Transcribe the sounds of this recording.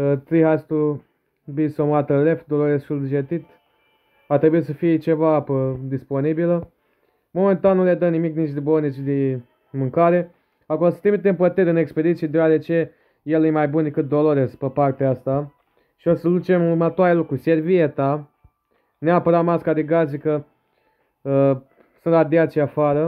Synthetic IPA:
ət̪ɾiɦajst̪u | bisomat̪əlefd̪o̞loɾessulʒet̪it̪ | at̪ɾebuit̪səfijet͡ʃe̞vaapəd̪ispo̞nibilə | mo̞me̞nt̪annːuled̪ənimiknit͡ʃd̪ebonet͡ʃd̪e | mɨŋkaɾe | akolosɨt̪emit̪empət̪eɾʲɨneksped̪it̪sied̪eowad̪et͡ʃe̞ | je̞lɨjemajbund̪ekɨt̪̚d̪o̞loɾespəpart̪east̪a | ʃiosəd̪ut͡ʃe̞muɾmət̪oaɾelokɾuse̞rviet̪a | neapəɾat̪maskad̪eɡazikə | ə | sɨnt̪lad̪eat͡ʃiafaɾə

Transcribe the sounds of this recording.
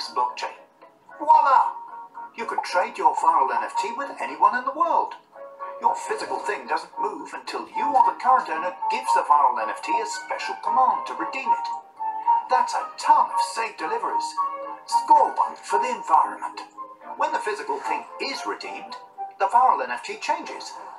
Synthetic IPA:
sblɑk̚t͡ʃḛɪ | wɛlə | jɨkɨd̚tʰɹ̥eɪt͡ʃə˞vaɪl̩ˠɛ̃nɛftʰiwɨðɛniwʌ̃nɨ̃nðəwɜ˞lˠd̥jə˞fɪzɨkl̩ˠθɪ̃ŋdʌzn̩muvɨ̃ntʰɪlˠjɨə˞ðəkʰɑɹɨ̃tə̃ʊ̃nəɡ̥ɪvzðəvaɪɹl̩ˠɛ̃nɛftʰiɨspɛʃl̩ˠkʰəmæ̃n̚tʰɨɹɨdĩmɪt̚ | ðætsətʰʌ̃nʌv̥seɪf̚d̥ɨlɪvə˞iz̥skɔlˠbʌ̰̃ŋkfə˞ðiɨ̃ɱvaɪɹɨ̰̃nmə̰̃ntwə̃nðɨfɪzɨkl̩ˠθɪ̃ŋɪzɹɨdḭ̃m | ðəvaɪɹl̩ˠɛ̃nɛftʰit͡ʃʰẽɪ̃nd͡ʒɪ̰z̥

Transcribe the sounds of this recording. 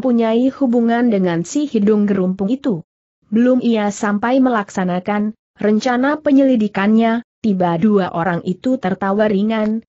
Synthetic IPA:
əmpuɲaihubuŋandəŋansihidʊŋɡəɾumpʊŋit̪u | bəlʊmʔiasampajməlaksanakan | rəɲt͡ʃanapəɲəlidikanɲat̪ibaduaʔoɾaŋʔit̪ut̪ərt̪awariŋan

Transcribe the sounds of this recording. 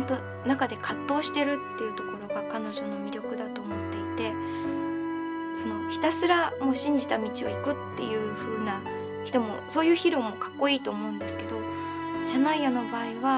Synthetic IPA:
nt̪o̞ | nakad̪e̞kat̪ːo̞ːɕi̥t̪e̞ɾɯ̟t̪ːe̞jɯ̟ːt̪o̞ko̞ɾo̞ɡakano̞ʑo̞no̞mʲiɾʲjo̞kɯ̟d̪at̪o̞ːmo̞t̪ːe̞it̪e̞ | so̞no̞çi̥t̪asɨɾamo̞ːɕĩɲ̟d͡ʑit̪amʲit͡ɕio̞̰ikɯ̟t̪ːe̞̰jɯ̟ːɸɯ̟ːna | çi̥t̪o̞mo̞̰soːjɯ̟ːçiɾo̞ːmo̞kḁkːo̞iːt̪o̞ːmo̞ɯ̟̃nd̪e̞sɨ̥ke̞d̪o̞ | ɕanaijano̞baːiβa

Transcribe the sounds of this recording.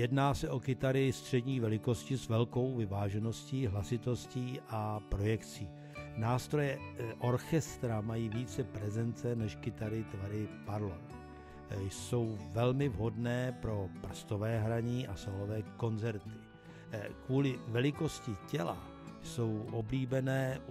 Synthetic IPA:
jɛdnaːsɛʔo̞kɪt̪aɾɪst̪r̝̥ɛdɲiːvɛlɪko̞scɪsvɛlko̞wvɪvaːʒɛno̞sciːɦlasɪt̪o̞sciːʔapɾo̞jɛkt͡siː | naːst̪ɾo̞jɛʔo̞ɾxɛst̪ɾamajiːviːt͡sɛpɾɛzɛnt͡sɛnɛʃkɪt̪aɾɪt̪vaɾɪpaɾlo | jso̞wvɛlmɪvɦo̞dnɛːpɾo̞pr̩st̪ovɛːɦɾaɲiːʔasolovɛːko̞nzɛɾt̪ɪ̥ | kvuːlɪvɛlɪko̞scɪcɛla̰ | jso̞wʔobliːbɛnɛː

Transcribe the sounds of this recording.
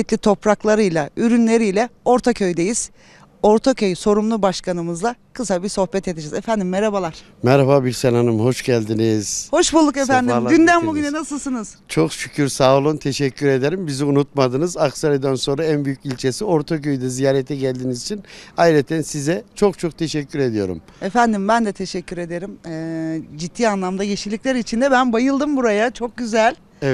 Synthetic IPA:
it̪lʲit̪ʰo̞pɾaklˠaɾɯjlˠayɾynlʲe̞ɾijlʲɛo̞ɾt̪ʰacʰø̞jd̪e̞jiz̥ | o̞ɾt̪ʰacø̞jso̞ɾumlˠubaʃkʰanɯmɯzlˠakʰɯsabiɾso̞hbɛt̪ʰe̞d̪id͡ʒizefænd̪imːeɾabalˠaɾ̥ | mɛɾababiɾsenanɯmho̞ʃɟælʲd̪iniz̥ho̞ʃbulˠːukefænd̪id̪ynd̪ænbuɟʲynɛnasɯlˠsɯnɯz̥t͡ʃʰo̞kʃycʰyɾsaːlˠont̪ʰe̞ʃɛcʰːyɾe̞d̪eɾimbiziunut̪̚mad̪ɯnɯzaksaɾɯd̪ænso̞nɾaænbyjycilʲt͡ʃʰe̞sio̞ɾt̪ʰakʰøjd̪ɛzijaːɾɛt̪ʰɛɟælʲd̪iːnizit͡ʃʰinajɾɛt̪ʰænsizɛt͡ʃʰo̞k̚t͡ʃʰok̚t̪ʰe̞ʃɛcʰʲːyɾe̞d̪ijo̞̰ɾṵm | efænd̪imbænd̪ɛt̪ʰe̞ʃɛcʰːyɾe̞d̪e̞ɾimɛːd͡ʒit̪ʰːiːanlˠamd̪ajeʃilʲːiclʲæɾit͡ʃʰind̪ɛbænbajɯlˠd̪ɯmbuɾajat͡ʃʰo̞k̚ɟyzælʲ | ɛvɛ

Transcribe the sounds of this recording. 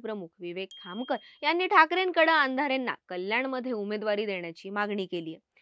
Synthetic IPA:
pɾəmukʰʋiʋekʰːamkəɾjanːiːʈʰakɾenkəɽəand̪ʱaɾenːa̰kəljaɳməd̪ʱjeumed̪ʋaɾiːd̪eɳjat͡ɕiːmaɡɳiːkeliːje

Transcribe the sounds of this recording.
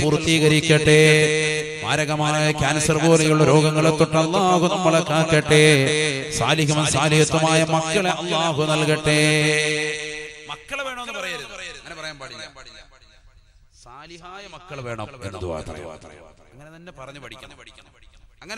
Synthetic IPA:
purt̪ːiːɣɐɾikʲːɐʈːe | maːɾɐɣɐmaːjɐkʲaːnɐsɐrboːlɐjuɭːɐɾo̞ːɡɐŋːɐɭet̪ːoʈːɐlːaːhunɐmːɐɭekːaːkːɐʈːesaːliɦɐmɐsaːliɦɐt̪ːɐmaːjɐmɐkːɐɭeʔɐlːaːɦunɐlkɐʈːe | mɐkːɐɭeːɐpɐr | saːliaːjɐmɐkːɐɭʋeːɳɐmenːɐd̪uʋa̰ːt̪rɐ̰j̰ | ɐŋːɐnɐnːepɐrɐɲːun

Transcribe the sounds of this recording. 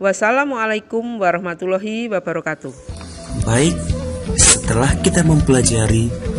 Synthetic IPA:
wasalamualajkumwaɾɔhmat̪ulɔɦiwabaɾɔkat̪ubaɪk̚sət̪əlahkit̪aməmpəlad͡ʒaɾi

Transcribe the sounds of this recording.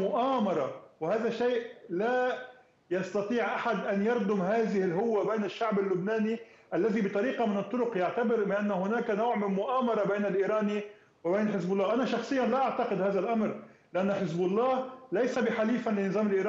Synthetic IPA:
mʊʔaːmɑɾˤɑwhaːðaʃeːʔla | jɑst̪ɑt̪ˤiːʕʔaħad̪ʔanjɑɾd̪ʊmɦaːðɪhɪlɦʊwːabeːnɪʃːaʕbɪlːʊbnaːniʔalːaðibɪt̪ˤɑɾiːqɑmɪnɨt̪ˤːʊɾʊqjaʕt̪abɪɾmɪʔanːahʊnaːkanowʕmɪnmʊʔaːmɑɾˤɑbeːnɪlʔiːɾɑːni | wɪbeːnħɪzbʊlːɑːʔanaʃɑxsˤɨjːanlaʔaʕt̪aqɪd̪haːðalʔamɾ | lɪʔanːʊħɪzbʊlˤːɑːhlajsabɪħaliːfalɪnːɨzˤɑːmɪlʔiːɾɑː

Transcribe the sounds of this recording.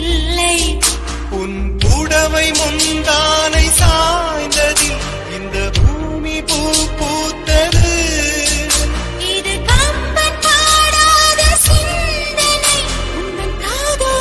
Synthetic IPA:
ɐɪ | ʊnpʊɽɐʋɐɪmʊnd̪aːnɐɪsaːjnd̪ɐðɪ | ɪnd̪ɐbʱuː | mipuːpːoːt̪ːɐðɯ | ɪðɯkɐmbɐnpaːɽaːðɐsʊn | d̪ɐnɐɪ | ʊnɐ | aːðɐ

